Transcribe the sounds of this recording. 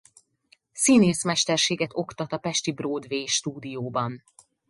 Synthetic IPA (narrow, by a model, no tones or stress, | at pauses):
sineːsmɛʃt̪ɛrʃeːɡɛt̪o̞kt̪ɒt̪ɒpɛʃt̪ibroːd̪veːʃt̪uːd̪ijoːbɒn